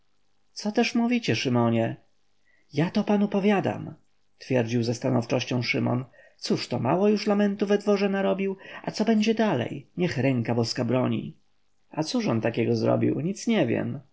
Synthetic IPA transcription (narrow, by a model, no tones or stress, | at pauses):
t̪sɔt̪ɛʂmuvʲit͡ɕɛʂɘmɔɲɛ | jat̪ɔpanupɔvʲjad̪a̰m | t̪fʲjɛɾd͡ʑiwzɛst̪anɔft͡ʂɔɕt͡ɕɔ̃w̃ʂɘmɔ̰nt̪suʂt̪ɔma̰wɔjuʂlamɛnt̪uvɛd̪vɔʐɛnaɾɔbʲiwat̪sɔbɛɲd͡ʑɛd̪alɛ̰jɲɛxɾɛŋkabɔskabɾɔɲḭ | at̪suʂɔnt̪akʲɛɡɔzɾɔ̰bʲḭwɲit̪sɲɛvʲjɛ̰m